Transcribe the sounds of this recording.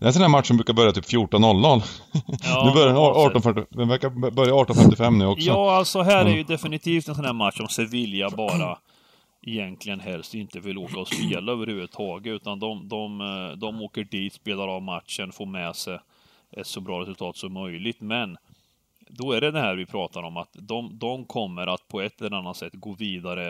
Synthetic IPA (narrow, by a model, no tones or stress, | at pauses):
d̪ɛns̬ɔnæːmat̪ːʂɔmbɾʉːkaɾbœɾjat̪yːpfjuʈːɔnːɔlnɔlɑːnʉːbœɾjaɑɑːʈɔnfœʈːɪɛvæɾkːabœɾjaɑːʈɔnfɛmt̪ɪfɛmːnʉːɔkjɑːalt̪sɔɦæːɾæɾjɵd̪ɛfɪnɪt̪ʰiːft̪ɛns̬ɔnhæːɾmat̪ːʂɔmsɛvɪljabɑːɾa | ʔɛjɛnk̪lɪɡənɦɛlst̪ɪnt̪əvɪloːkaɔspeːlaøːvəɾhʉvəd̪t̪ʰɑːɡət̪ʉ̟ːt̪and̪ɔmd̪ɔmd̪ɔmoːkəɖiːt̪speːlaɾɑːvmat̪ʂənfoːɾmɛsɛ | ɛt̪sɔbɾɑːɾɛsɵlt̪ʰɑːt̪sɔmːœjlɪɡ̚t̪mɛn | d̪ɔæɖɛd̪ɛhæːɾvɪpʰɾɑːt̪aɾɔmat̪d̪ɔmd̪ɔmkʰɔmːəɾat̪pʰɔɛt̪ːɛlːɛnanːat̪sɛt̪ːɡoːviːd̪aɾə